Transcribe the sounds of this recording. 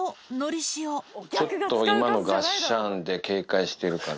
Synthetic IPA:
no̞ɾʲiɕioo̞t̪ːo̞imano̞ɡaɕãnd̪e̞ke̞ːkaiɕi̥t̪e̞ɾɯ̟kaɾ

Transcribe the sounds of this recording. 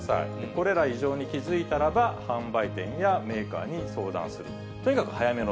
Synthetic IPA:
sa̰ḭko̞ɾe̞ɾaiʑo̞ːɲ̟ikʲizɨit̪aɾabahãmbait̪ẽ̞̰ɰ̃jame̞ːka̰ːɲ̟iso̞ːd̪ã̰sɨɾɯ̟ | t̪o̞ɲ̟ikakɯ̟̥hajame̞no

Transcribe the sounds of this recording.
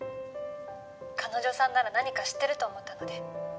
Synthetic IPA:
kʰano̞ʑo̞sãnːaɾanaɲ̟ikaɕi̥t̪ːe̞ɾɯ̟t̪o̞ːmo̞t̪ːano̞d̪e̞

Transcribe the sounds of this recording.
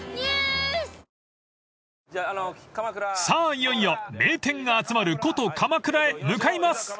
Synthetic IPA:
saːijoijome̞ːt̪ẽ̞ŋɡaːt͡sɨmaɾɯ̟ko̞t̪o̞kʰamakɯ̟ɾaemɯ̟kaimasɨ̥

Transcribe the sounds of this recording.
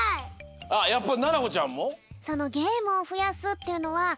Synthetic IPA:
ajapːananaɡot͡ɕãmːoso̞no̞ɡʲe̞ːmɯ̟oɸɯ̟jasɨt̪ːe̞jɯ̟no̞βa

